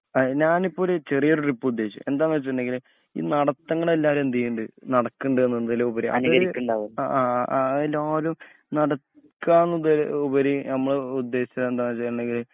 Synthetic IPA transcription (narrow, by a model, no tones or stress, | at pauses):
ɐɲaːnipːo̞ːlet͡ɕe̞rijoɾuripːɨud̪ːe̞ːiɕt͡ɕːṵme̞nd̪aːnːʋɐt͡ɕːɨʈːuɳɖe̞ŋɡil | ḭːnɐɽɐt̪ːɐŋːɐɭelːaːɾend̪ijuɳɖɨnɐɽɐkːuɳɖɨenːunːðɐleubɐɾiʔɐ̰nɣɐɾikʲːuɳɖaːʋuaaːʔloːlum | nɐɽɐ | kːaːnːɐðlubɐɾinɐmːɐɭud̪ːe̞ːɕit͡ɕːɐed̪aːnːɐt͡ɕːɐjɐɳɖe̞ŋɡil